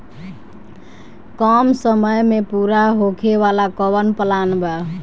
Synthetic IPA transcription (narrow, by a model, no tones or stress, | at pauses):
kɔmsəməjmepuɾaɦokʰeβalakɔβənpəlanbɛ